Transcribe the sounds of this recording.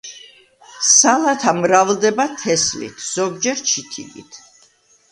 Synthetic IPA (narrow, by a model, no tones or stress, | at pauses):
salat̪ʰamɾavld̪ɛbat̪ʰɛslḭt̪ʰz̥ɔɡd͡ʒɛɾt͡ʃʰit̪ʰḭɡḭt̪ʰ